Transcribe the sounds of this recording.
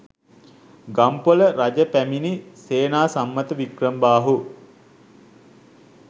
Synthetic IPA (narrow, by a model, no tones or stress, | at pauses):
ɡampoləɾad͡ʒəpæminiseːnaːsamːət̪əʋikrəmbaːɦu